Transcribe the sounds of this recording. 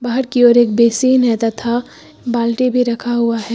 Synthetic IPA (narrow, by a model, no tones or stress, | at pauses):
baːɦəɾkiɔːɾeːk̚beːsiːnɦɛt̪at̪ʰa | baːlʈibʱiɾɐkʰaɦʊaɦɛː